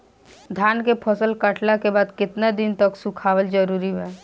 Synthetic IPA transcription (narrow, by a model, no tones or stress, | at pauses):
d̪ʱjaːnkepʰɔsəlkəʈlakebaːd̪kɪt̪nad̪ɪnt̪əksukʰaːwəld͡ʒəɾuːɾiɦɛː